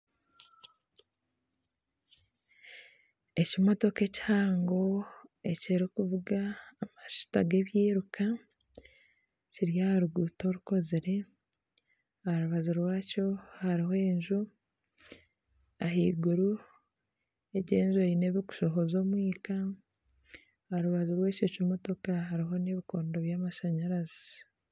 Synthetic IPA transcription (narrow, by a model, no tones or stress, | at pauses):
e̞cimo̞to̞ke̞ci̥haːŋɡo̞e̞ceɾokuvuɡaːmaʃi̥taɡe̞βjiːɾuka | ciɾjahaɾuɡuto̞ɾuko̞ziɾe̞ | ahaɾuβazuɾwaːco̞haɾihoeɲʒu | aɦiːɡuɾu | eɟeːɲʒoine̞βiɡu̥ʃo̞ɦo̞zo̞ːmwiːka | haɾuβazuɾwe̞ːcocimo̞to̞kahaɾiɦo̞neβiko̞ːndoβjaːmaʃaɲaɾazi